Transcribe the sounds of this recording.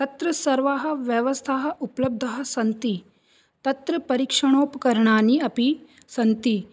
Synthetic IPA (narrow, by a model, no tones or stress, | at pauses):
t̪ɐt̪ɾɐsɐɾʋaːɦɐ̆ʋjɐʋɐst̪ʰaːɦɐ̆ʔuplɐb̚d̪ʱɐɦɐ̆sɐnt̪i | t̪ɐt̪ɾɐpɐɾikʂɐɳ̃oːpkɐɾɳaːniɐpi | sɐnt̪i